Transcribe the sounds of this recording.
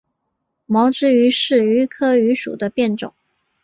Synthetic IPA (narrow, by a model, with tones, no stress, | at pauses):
mɑ˧˥ʊʈ͡ʂɻ̩˥y˧˥ʂɻ̩˥˩y˧˥kʰɤ˥y˧˥ʂṵ˨˩d̪ə˦pjɛ˥˩nʈ͡ʂʊ̰˨˩˦ŋ